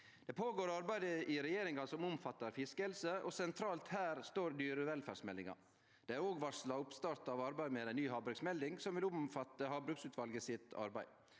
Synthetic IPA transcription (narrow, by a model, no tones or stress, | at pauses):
d̪̥ɛpʰoːɡoːɾɑɾbæɪd̪əʔɪɾɛjeːɾɪŋɑsɔmʊmfɑt̪ːɑɾfɪskəɛlsəʔɔsɛnt̪ʰɾɑːlt̪hæːɾst̪oːɾd̪yːɾəʋɛlfæːɾʂmɛld̪ɪŋɑ̰ɾ | d̪̥ɛæɾoːɡʋɑʂlɑʊpst̪ɑːɾt̪ɑʋɑɾbæɪmeːd̪æɪnyːhɑːbɾʉksmɛld̪ɪŋsɔmʋɪlʊmfɑt̪ːəɦɑːbɾʉksʉːt̪ʰʋɑlɡəsɪt̪ɑ̰ɾbæɪ